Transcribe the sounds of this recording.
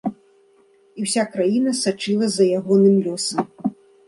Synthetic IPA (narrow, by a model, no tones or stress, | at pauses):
iwsʲakɾajinɐsat͡ʂɨlˠɐzɐjaɣɔnɨmlʲɔsɐm